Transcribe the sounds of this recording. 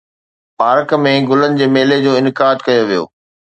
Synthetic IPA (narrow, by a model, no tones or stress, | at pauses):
paːɾkmẽɡʊlənɪ̆d͡ʑeːmeːled͡ʑoːɪnɪkaːd̪kɐjoʋijo̰ː